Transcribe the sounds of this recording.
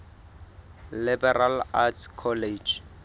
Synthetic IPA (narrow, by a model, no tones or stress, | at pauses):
libɛralatʰkʰɔled͡ʒ